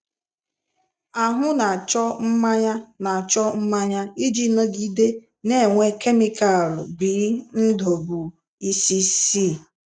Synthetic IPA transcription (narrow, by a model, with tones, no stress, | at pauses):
a˨ɦʊ˦na˨t͡ʃɔ˦m̩˦ma˦ɲa˦na˨t͡ʃɔ˦m̩˦ma˦ɲa˦i˦d͡ʒi˦no˦ɡi˦de˦ | ne˦˨ŋʷe˦ke˦mi˦ka˨lbi˨˦n̩˦do˨bu˨ | i˦si˦si˦˨